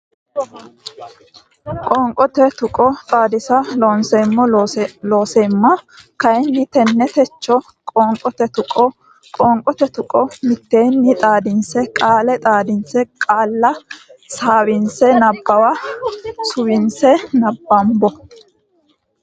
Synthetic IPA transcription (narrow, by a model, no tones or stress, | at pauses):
kʼɔːŋkʼɔt̪ɛt̪ʊkʼɔt̪ʼaːd̪ɪsɐloːnsemːɔloːseːmːɐkɐjɛnːɪt̪ɛnːɛt̪ɛt͡ʃːɔ | kʼɔːŋkʼɔt̪ɛt̪ʊkʼɔ | kʼɔːŋkʼɔt̪ɛt̪ʊkʼɔmɪt̪ːeːnːɪt̪ʼaːd̪ɪnsɛkʼaːlɛt̪ʼaːd̪ɪnsɛkʼaːlːɐsaːwɪnsɛnɐbːɐwa | sʊwɪnsɛnɐbːɐmbɔ